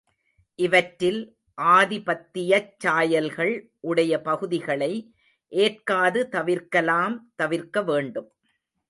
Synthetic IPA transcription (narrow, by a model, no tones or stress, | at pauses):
ʔɪʋɐʈɾːɪl | ʔaːðɪpɐt̪ːɪjɐt͡ʃːaːjɐlɣɐɭ | ʔʊɽɐjɐpɐɣɯðɪɣɐɭɐɪ | ʔeːrkaːðɯt̪ɐʋɪɾkɐlaːmt̪ɐʋɪɾkɐʋeːɳɖɯm